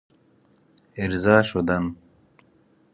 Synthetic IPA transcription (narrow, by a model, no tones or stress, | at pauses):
iɾzaːʃod̪ɐn